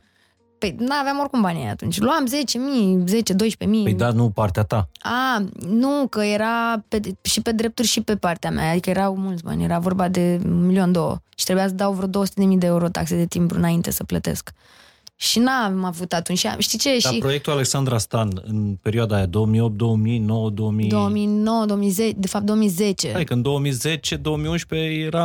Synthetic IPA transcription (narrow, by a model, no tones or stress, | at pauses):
pejnaːveamo̞rkompaniea̰t̪unt͡ʃʲluamze̞t͡ʃemijze̞t͡ʃe̞d̪o̞jʃpe̞mijəjd̪anupart̪eat̪aanukəje̞ɾapeʃipe̞d̪ɾe̞p̚t̪urʲʃipe̞part̪eamʔa̰ad̪ikəje̞ɾawmult̪sʲba̰nʲje̞ɾavo̞rbad̪e̞milio̞nd̪o̞wə̰ʃi̥t̪ɾebujas̬əd̪awvɾod̪o̞oəsut̪ed̪emid̪e̞euɾo̞t̪a̰ksed̪e̞t̪impuɾɨ̰naint̪e̞səplət̪e̞̰sk | ʃinamavut̪at̪unt͡ʃa̰ʃt̪it͡ʃe̞ʃipɾojek̚t̪ulale̞ksand̪ɾast̪anɨ̰npe̞ɾioad̪ajad̪oomio̞p̚t̪̚d̪o̞omino̞wəd̪oomid̪o̞omino̞wəd̪oomizet͡ʃd̪e̞fap̚t̪oomize̞t͡ʃe̞̰ad̪ikəɨnd̪o̞womizet͡ʃe̞d̪o̞omiunʃpejeɾa